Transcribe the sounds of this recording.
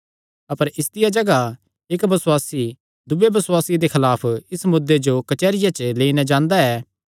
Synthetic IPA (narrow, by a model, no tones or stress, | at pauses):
ɐpəɾɪsd̪ɪjad͡ʒɐɡa | ekbɐswaːsi | d̪ʊbebɐswaːsid̪ekʰɐlaːpʰɪsmʊd̪ːed͡ʒokɐt͡ʃɛːɾɪjat͡ʃleːinɛ̃d͡ʒãːnd̪aɛː